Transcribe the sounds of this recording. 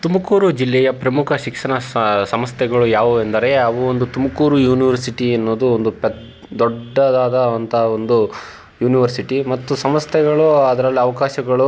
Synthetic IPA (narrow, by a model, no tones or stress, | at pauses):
t̪umɐkuːɾud͡ʒilːɛjɐpɾɐmukʰɐʃikʂɐɳɐsɐmɐst̪ʰɛɡɐɭujaːʋuend̪ɐɾe̞ɐʋuond̪ut̪umɐkuːɾujuːniʋɐɾsiʈiɐnːo̞ːd̪uond̪upɛ | d̪ɔɖːɐd̪aːd̪ɐɐnt̪ʰɐɦɐond̪u | juːniʋɐɾsiʈimɐt̪ːusɐmɐst̪ʰɛɡɐɭuɐd̪ɐɾɐlːiɐʋɐkaːʃɐɡɐɭu